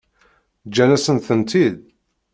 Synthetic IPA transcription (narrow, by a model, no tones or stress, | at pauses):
d͡ʒːænæsənθənt̪ið